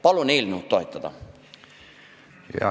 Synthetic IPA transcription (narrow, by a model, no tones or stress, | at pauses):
pɑluniːlnuːt̪t̪oit̪ːɑt̪ɑ̰ | jɑ̰